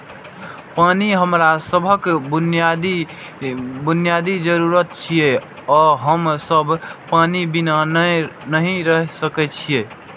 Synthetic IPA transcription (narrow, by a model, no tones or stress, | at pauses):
paniɦəmɾasəbʱəkbnjad̪i | bunijad̪id͡ʒəɾuɾət̪t͡ʃʰije | ɔɦəmsəbʱpanibinannəɦĩɾəɦsəkɛt͡ʃʰije